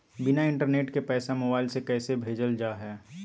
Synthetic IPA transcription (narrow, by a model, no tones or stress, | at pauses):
bɪnaɪ̃ɳʈəɾneːʈkepɛːsamoːbaːɪlsekɛːsebʱeːd͡ʒəld͡ʒaːɦɛː